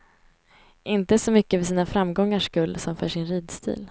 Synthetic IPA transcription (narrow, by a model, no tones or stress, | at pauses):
ʔɪnt̪əsɔmʏkːəvɛsiːnafɾamɡɔŋːaʂkɵlːsɔmfœʂɪnɾiːd̪st̪ʰḭːl